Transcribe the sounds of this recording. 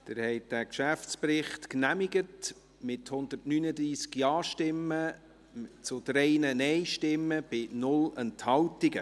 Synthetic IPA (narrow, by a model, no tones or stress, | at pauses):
t̪ɪɾhɛɪt̚dækʃæft͡spɾɪχtknæmɪɡət | mɪthʊnd̪ərtnyːnəd̪ɾiːskjɑːʃtɪmːə | t͡sʊd̥ɾɛɪnənɛɪʃtɪmːəb̥ɪnʊlɛnthɑwtɪɡə